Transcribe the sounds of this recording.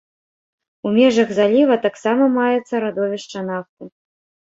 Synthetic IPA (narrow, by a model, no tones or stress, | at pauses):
umʲɛʐɐɣzalʲivɐt̪aksamɐmajɛt̪sːɐɾad̪ɔvʲɛʂt͡ʂɐnaft̪ɨ